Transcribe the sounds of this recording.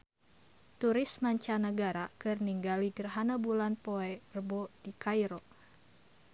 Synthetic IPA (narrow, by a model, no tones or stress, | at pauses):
t̪uɾɪsmaɲt͡ʃanəɡaɾakɨrniŋɡaliɡərɦanabulanpoɛbərbodikajɾo